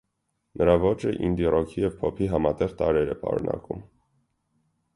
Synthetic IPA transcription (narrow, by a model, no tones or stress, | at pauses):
nʔəɾɑvɔt͡ʃəʔḭnd̪irɔkʰijɛvpʰɔpʰiɦɑmɑt̪ɛʁt̪ɑɾɛɾɛpɑ̰ɾṵnɑ̰kum